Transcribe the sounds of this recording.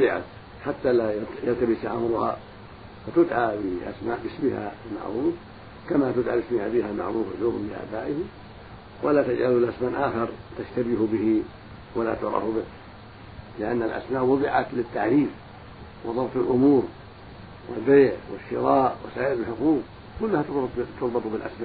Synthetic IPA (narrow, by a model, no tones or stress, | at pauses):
ɪʕa̰ | ħat̪ːalajalt̪abɪsʔa̰mɾʊha̰ | fat̪ʊd̪ʕabɪʔa̰smaːʔbɪsmɪha̰lma̰ʕɾuːf | kamat̪ʊd̪ʕaːbɪsmɪhabɪhalma̰ʕɾuːfa̰lʊɣmlɪʔa̰ːbaːʔɪhɪm | wʔalaːt̪ad͡ʒʕalulʔasmaːʔaːxɑɾˤt̪aʃt̪abɪhbɪhɪ | wala̰t̪ʊʔɾˤɑ̰ːhʊbɪk | lɪʔanːalʔa̰smaːʔwɑðˤɨʕat̪lɪt̪ːaʕɾiːf | wɑ̰ðˤɑbt̪ˤɪlʔʊmuːɾ | wʔɪ̰lbeːʕwɪʃːɪɾˤɑːʔwa̰saːʔɪɾɪlħʊquːb̚ | kʊlːʊhat̪ʊt̪ʊɾˤbɑt̪ˤʊbɪlʔasmaːʔ